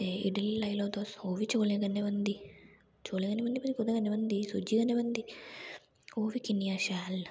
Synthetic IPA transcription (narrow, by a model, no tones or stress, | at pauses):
eḭɖillɐjlod̪oːsoːʋit͡ʃoːleɡɐnːeʋɐnd̪i | t͡ʃoːleɡɐnːeʋɐnd̪ipɐd̪ikud̪ɐɡɐnːeʋɐnd̪isud͡ʒiɡɐnːeʋɐnd̪i | oːʋikinijaʃaːl